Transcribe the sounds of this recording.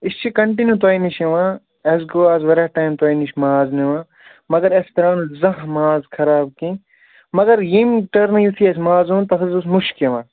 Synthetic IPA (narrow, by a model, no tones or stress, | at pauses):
ist͡ʃʰikɐɳʈ̬injut̪̬aːiniʃeʋãː | ɐs̬ɡoaːzʋɐɾɐʈaːjmt̪waːiniʃmaːzneʋãː | mɐɡɐɾest̪ɐɾaːnuzɐɦmaːzkʰɐɾaːbkĩ | mɐɡɐɾjimʈɐɾnɐjut̪ʰijɐs̬maːzũːnt̪ɐkɐzusmuʃkeʋãː